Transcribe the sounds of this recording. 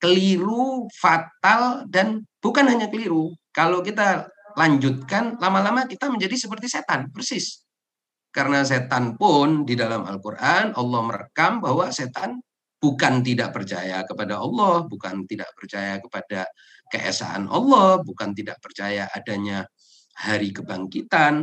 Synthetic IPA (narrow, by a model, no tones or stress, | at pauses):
kəliɾufat̪aldanb̥ukanhaɲakəliɾukalowkit̪alaɲd͡ʒʊt̪̚kanlamalamakit̪aməɲd͡ʒadisəpərt̪iset̪anpərsɪs | kaɾənas̬et̪anpʊndidalama̰lkurʔanɑlːɔhməɾakambahwaset̪an | b̥ukant̪idaʔpərt͡ʃa̰jakəpadaʔɑlːɔhbukant̪ida̰ʔpərt͡ʃajakəpada | kə̰ʔɛ̰sa̰ʔa̰nʔɑ̰lːɔhbukant̪ida̰ʔpərt͡ʃajaʔa̰daɲa | haɾikəbaŋkit̪an